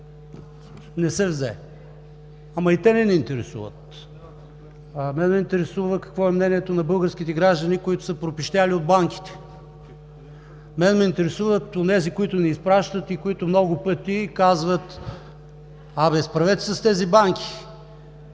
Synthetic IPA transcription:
nɛsɛvzɛ | amɐit̪ɛnɛnɛint̪ɛɾɛsṵvə̰t̪̚ | mɛnmɛint̪ɛɾɛsuvəkɐ̥kvɔɛmnɛniɛt̪onɐbɤlˠɡəɾsk̟ʲit̪ɛɡɾaʒd̪ɐnikoit̪ʊ̥səpɾopiʃt̪ʲaliod̪̚baŋk̟i̥t̪ɛ̥ | mɛnmɛint̪ɛɾɛsuvət̪onɛzikoit̪ʊnɛispɾaʃt̪ət̪ikoit̪ʊmnɔɡʊpət̪ikazvət̪ | abɛspɾɐvɛt̪sɐst̪ɛzibaŋkʰʲi̥

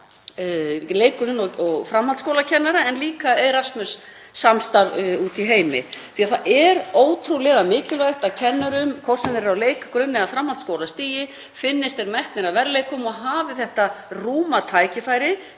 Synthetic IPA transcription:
leːjkʏɾʏnɔɔɣfɾamhalt̪skowlacʰɛnːaɾaɛnliːkaejɾasmʏsː | amst̪aɾuːt̪iɦeːjmɪ̰θiaθaʔɛɾoːwt̪ʰɾulɛɣamɪːcɪlvajxt̪aðcʰɛnːʏɾʏmkʰɔr̥sɛmɪɾɾawleːjkakɾʏnːɪaðfɾamhalt̪skoːwlast̪iːjɪ | fɪnːɪst̪ɛɾmɛht̪nɪɾavɛɾlejkʏmɔɣɦaːvɪθɛht̪aruːmat̪ʰaːjcɪfaːjɾɪ

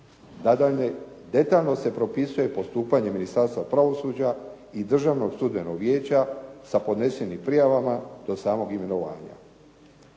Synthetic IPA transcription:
d̪e̞t̪aʎno̞se̞pɾo̞pisuje̞po̞st̪uːpaɲe̞minist̪aːɾst̪ʋapɾaʋo̞sud͡ʑa | id̪r̩ʒaʋno̞ɡst̪ud̪menoɡʋje̞ːt͡ɕasapo̞d̪ne̞senimpɾijaʋamad̪̥o̞saːmo̞ɡime̞no̞ʋa̰ːɲa̰

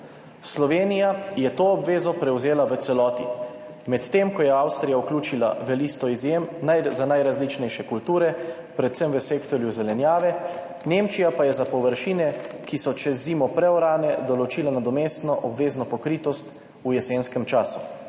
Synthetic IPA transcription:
slɔʋeːnijajɛt̪oːɔbʋeːzɔpɾɛwzeːlaʋət̪sɛlɔːt̪ḭ | mɛt̪ːeːmkɔjɛawst̪ɾijauklʲuːt͡ʃila̰ʋɛlist̪ɔizjemnajzanajɾazlit͡ʃnɛjʃɛkult̪uːɾɛ | pɾɛt̪səmʋəseːkt̪ɔɾjuzɛlɛnjaːʋɛ | neːmt͡ʃijapajɛzapɔʋəɾʃiːnɛkisɔt͡ʃɛzːiːmɔpɾɛɔɾaːnɛd̪ɔlɔt͡ʃiːlanad̪ɔmeːst̪nɔʔɔbʋeːznɔpɔkɾiːt̪ɔst̪ | ujɛseːnskɛmt͡ʃaːsu̥

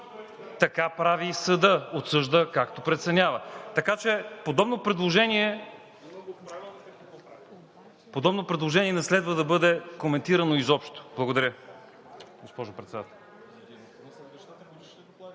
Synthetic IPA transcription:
t̪ɐkapɾavisɐd̪əot̪sɤʒd̪əkakt̪opɾɛt̪sɛnʲavət̪ɐkat͡ʃɛpod̪ɔbnopɾɛd̪lˠoʒɛniɛ | pod̪ɔbnopɾɛd̪lˠoʒɛniɛnɛslɛd̪vəd̪ɐbɤd̪ɛkomɛnt̪iɾɐnoizɔpʃt̪o̥blˠɐɡod̪ɐɾʲə | ɡospɔʒopɾɛt̪sɛd̪at̪ɛlˠ

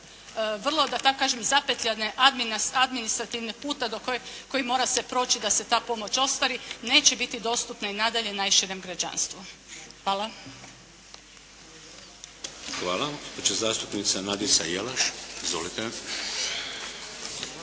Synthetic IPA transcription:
ʋr̩lˠo̞d̪at̪akːaːʒemzapet̪ʎʲaneʔad̪minad̪minist̪ɾat̪iʋnipuːt̪ad̪okoko̞jimo̞ːɾasepɾo̞ːt͡ɕid̪ase̞t̪aːpo̞mo̞t͡ɕo̞st̪ʋaɾine̞ːt͡ɕebit̪id̪o̞st̪upnainad̪aʎe̞najʃiɾemɡɾad͡ʑa̰nst̪ʋuxʋaːlˠa | xʋaːlˠaaɡospod͡ʒazaːst̪upnit̪sanad̪isajelaʃizʋolit̪e

